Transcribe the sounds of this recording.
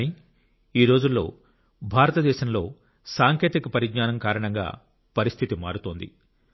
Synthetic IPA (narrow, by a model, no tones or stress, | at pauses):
ni | iːɾo̞ːd͡ʒulːo̞ː | bʱaːɾɐt̪ɐd̪ɛːʃɐmlo̞ː | saːŋkeːt̪ikɐpɐɾiɡnaːnɐmkaːɾɐɳɐŋɡa̰ː | pɐɾist̪ʰit̪imaːɾut̪oːnd̪ḭ